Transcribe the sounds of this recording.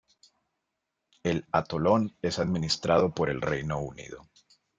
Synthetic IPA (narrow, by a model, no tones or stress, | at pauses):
e̞lat̪olo̞ne̞saðminist̪ɾaðo̞po̞ɾe̞̰lrejno̞unḭðo̰